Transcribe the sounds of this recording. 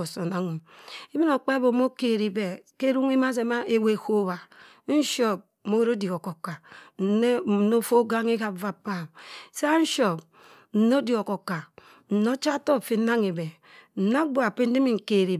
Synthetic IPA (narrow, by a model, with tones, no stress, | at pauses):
o˨so˨na˦ŋu˨i˦bi˦no˨k͡pa˦bo˨mo˦ke˨ɾi˨be˨ke˦ɾu˦ŋi˦ma˦s̬e˨ma˦ʔe˦we˦˨ho˦ba˨ | n̩˦ʃo˦p̚mo˦wɾo˦di˨o˨ko˨ka˨n̩˨˦n˦˨˦no˦fo˦ɡa˦ŋe˦ka˨va˨pa˦˨m˨sa˦n̩˦ʃo˨p | n̩˨no˦di˨o˨ko˨ka˨ | n̩˨no˦t͡ʃa˦to˦˨fi˨˦n˦na˦ŋe˨be˨ | n̩˨na˦bo˦a˨pe˦n̩˦di˦mi˨ŋ̩˨ke˨ɾi˨